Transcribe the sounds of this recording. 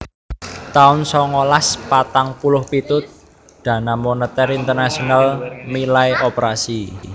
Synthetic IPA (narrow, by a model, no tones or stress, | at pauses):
t̪aʊnsɔŋɔlaspat̪aŋpulʊhpit̪ʊt̪̚ | d̪̥ä̤namonət̪ɛɾint̪ərnasionalmilajʔopɾasi